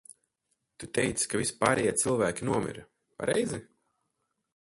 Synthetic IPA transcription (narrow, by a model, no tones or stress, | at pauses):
t̪ut̪ɛjt̪skavʲispaːɾʔɛjeːt̪silˠvæːkʲinuɔmʲḭɾ | pa̰ɾɛjzi